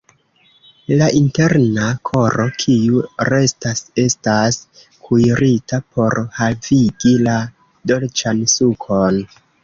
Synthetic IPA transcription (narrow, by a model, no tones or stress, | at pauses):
laʔinte̞ɾnakʰo̞ɾo̞kʰiuɾe̞stase̞stas | kʰujɾitapʰo̞ɾhaviɡila | dolt͡ʃansukʰo̞n